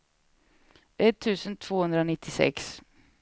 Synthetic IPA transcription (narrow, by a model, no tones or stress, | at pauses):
ʔɛt̪ʰːʉ̟ːsənt̪ʰv̥oːhɵnd̪ɾaɔnɪt̪ʰːɪsɛ̰ks